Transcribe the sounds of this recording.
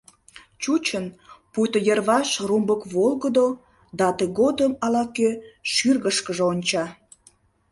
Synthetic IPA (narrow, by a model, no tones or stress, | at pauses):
t͡ɕut͡ɕənpujt̪ojərβɑʃrumbəkβolɣəd̪o | d̪ɑt̪əɣod̪əmɑlɑkøʃyrɣəʃkəʒeonʲt͡ɕɑ